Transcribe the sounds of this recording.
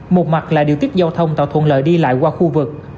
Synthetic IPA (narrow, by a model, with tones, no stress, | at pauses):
mo˨˩t̚ma˨˩t̚laː˧˩ɗi˨əwt̪i˦˥t̚zaː˧wt̪ʰə˧wŋ͡mt̪a̰ː˧˩wt̪ʰwə̰˧˩nlə̰ː˧˩jɗi˧la̰ː˧˨jkwaː˧xu˧vɨ˨˩k̚